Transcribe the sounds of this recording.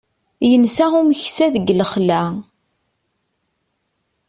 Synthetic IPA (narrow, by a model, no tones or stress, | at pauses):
jənsæʁuməçsæðəɡləχlæ